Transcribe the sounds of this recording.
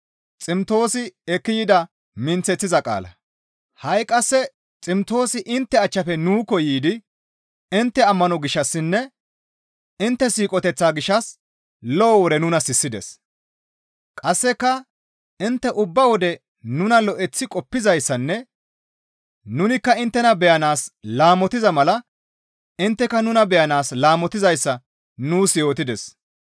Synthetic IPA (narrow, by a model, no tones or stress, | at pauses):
t͡sʼɪmt̪o̞ːsɪɛkːɪjɪd̪ɐ | mɪnt͡sːɛt͡sːɪzɐkʼa̰ːlɐ̰ | hɐjkʼɐsːɛ | t͡sʼɪmt̪o̞ːsɪʔɪnt̪ːɛɐt͡ʃːɐfɛnuːkɔjiːd̪ɪ | ɪnt̪ːɛɐmːɐnɔɡɪʃːɐsːɪnːɛ | ɪnt̪ːɛsiːkʼɔt̪ɛt͡sːaːɡɪʃːɐs | lɔːwɔd̪ɛnʊnɐsɪsːɪd̪ɛs | kʼɐsːɛkːɐ | ɪnt̪ːɛʔʊbːɐwɔd̪ɛ | nʊnɐlɔʔɛt͡sːɪkʼɔpːɪzɐjsːɐnːɛ | nʊnɪkːɐɪnt̪ːɛnɐbɛjɐnaːslaːmɔt̪ɪzɐmɐlɐ | ɪnt̪ːɛkɐnʊnɐbɛjɐnaːslaːmɔt̪ɪzɐjsːɐ | nuːsjo̞ːt̪ɪd̪ɛs